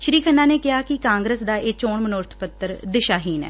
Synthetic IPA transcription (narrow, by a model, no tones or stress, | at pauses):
ʃəɾiːkʰənːaːneːkɪɦaːkɪkãːŋɡɾəsd̪aːʔeːt͡ʃoːɳmənoːɾt̪ʰpət̪ːəɾd̪ɪʃaːɦiːnɛ̰ː